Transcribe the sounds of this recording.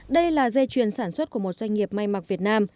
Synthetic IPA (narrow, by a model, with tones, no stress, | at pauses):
ɗə˧jlaː˨˩ze˧t͡ɕwi˨˩ənsaː˧˩nswə˦˥t̚ku˧˩əmo˨˩t̚zwa˧jŋ̟ŋi˨˩əp̚ma˧jma˨˩k̚vi˨˩ət̚naː˧m